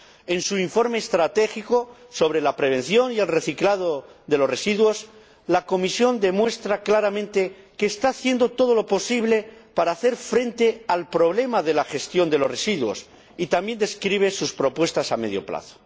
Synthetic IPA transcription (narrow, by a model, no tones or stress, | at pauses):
e̞nsuiɱfo̞ɾme̞ːst̪ɾat̪e̞xikoso̞β̞ɾe̞lapɾe̞β̞e̞n̟θjo̞nie̞lre̞θiklað̞oðe̞lo̞sre̞siðwo̞s | lako̞misjo̞nd̪e̞mwe̞st̪ɾaklaɾamẽnt̪e̞ | ke̞ːst̪aːθje̞nd̪o̞t̪o̞ð̞o̞lo̞po̞siβle̞paɾaːθe̞ɾfɾe̞nt̪e̞alpɾo̞βle̞maðe̞laxe̞st̪jo̞nd̪e̞lo̞resiðwo̞̰s | it̪ambje̞nd̪e̞skɾiβ̞e̞suspɾo̞pwe̞st̪asame̞ðjo̞̰pla̰θo̥